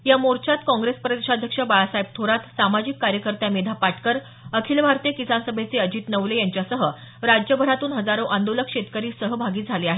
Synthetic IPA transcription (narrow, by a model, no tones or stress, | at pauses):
jamoɾt͡ɕat̪kɔ̃ŋɡɾespɾəd̪eɕad̪ʱjəkʂəbajasajp̚t̪ʰoɾat̪samad͡ʑikːaɾjəkəɾt̪jamed̪ʱapaʈkəɾ | əkʰiːlbʱaɾt̪iekisansəbʱet͡seəd͡ʑiːt̪nəʋlejaɲt͡ɕjasəɦə | ɾad͡ʑjəbʱəɾat̪uːnɦəd͡zaɾoʔãnd̪oləkɕet̪kəɾiːsəɦəbʱaɡiːd͡zʱaleaɦe